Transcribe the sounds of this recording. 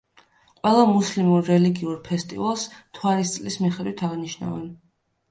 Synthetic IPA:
qʼwɛlˠamuslimuɾːɛliɡiuɾpʰɛst̪ʼḭvalˠst̪ʰwaɾist̪sʼlismiχɛd̪wit̪ʰaʁniʃna̰vɛn

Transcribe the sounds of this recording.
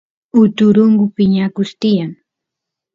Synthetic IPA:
ʊt̪ʊɾʊŋɡʊpɪɲakʊst̪ɪjaŋ

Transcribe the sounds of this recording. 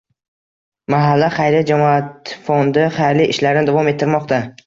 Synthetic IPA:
maɦalːaχɑjɾɪd͡ʒamɒat̪fond̪ɪχajɾliɪʃlaɾnɪd̪avɒme̞t̪ʰːɪɾmɒqt̪a

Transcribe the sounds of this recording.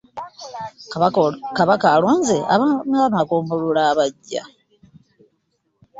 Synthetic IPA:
kaβakaːlwoːnzeʔa̰βanaamakoːmbululaːβaɟːa̰

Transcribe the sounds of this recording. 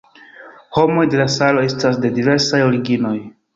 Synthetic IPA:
ho̞mo̞jde̞lasalo̞e̞stasde̞dive̞ɾsajo̞ɾiɡino̞j

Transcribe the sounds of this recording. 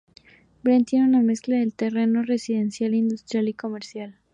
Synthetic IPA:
bɾent̪jenuname̞sklaðe̞lt̪e̞re̞no̞re̞siðe̞nsjalind̪ust̪ɾjaliko̞me̞ɾsjal

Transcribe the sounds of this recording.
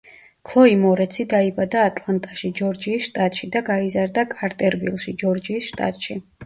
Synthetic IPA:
kʰlˠɔimɔɾɛt̪sʰid̪aibad̪aːt̪ʼlˠant̪ʼaʃid͡ʒɔɾd͡ʒiːsʃt̪ʼat̪ʼʃid̪aɡaizaɾd̪akʼaɾt̪ʼɛɾvḭlˠʃid͡ʒɔɾd͡ʒiːsʃt̪ʼa̰t̪ʼʃi

